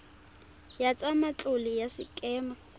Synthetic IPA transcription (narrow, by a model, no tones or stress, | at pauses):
jat͡sʼamat͡ɬʼʊlɪjasɪ̰kʼɛːma